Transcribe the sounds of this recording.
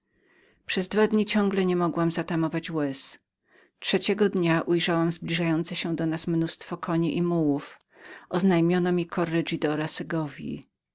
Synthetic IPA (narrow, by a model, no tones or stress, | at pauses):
pʂɛzd̪vad̪ɲit͡ɕɔ̃ŋɡlɛɲɛmɔɡwamzat̪amɔvat͡ɕwɛs | tʂɛt͡ɕɛɡɔd̪ɲaʔujʐawamzblʲiʐajɔnt̪sɛɕɛ̃d̪ɔnasmnust̪fɔkʰɔɲiʔimuwuf | ʔɔznajmʲjɔnɔmʲikʰɔɾːɛʐid̪ɔɾasɛɡɔvʲjḭ